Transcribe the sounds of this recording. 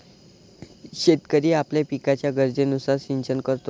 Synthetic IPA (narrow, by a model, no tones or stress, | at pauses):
ɕet̪kəɾiːapljepikat͡ɕjaɡəɾd͡ʑenusaɾsiɲt͡ɕənkəɾt̪o